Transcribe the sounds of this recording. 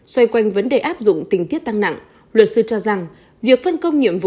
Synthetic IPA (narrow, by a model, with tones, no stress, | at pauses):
swa˧jkwa˧jŋ̟və˨˦nɗe˨˩ʔaː˦˥p̚zʊ̰˧˨ŋ͡mt̪ï˨˩ŋ̟t̪i˦˥ət̚t̪a˧ŋna̰˧˨ŋ | lwə˨˩t̚sɨ˧t͡ɕɔ˧za˨˩ŋ | vi˨˩ək̚fa˧nkə˧wŋ͡mɲḭ˧˨əmvṵ˧˨